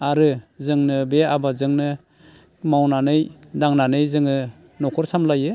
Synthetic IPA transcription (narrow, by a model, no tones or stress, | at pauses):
aɾɯzɯŋnɯbeabazɯŋnɯ | mawnanɯjdaŋnanɯjzɯŋɯ | nɔkʰɔɾsamlajɯ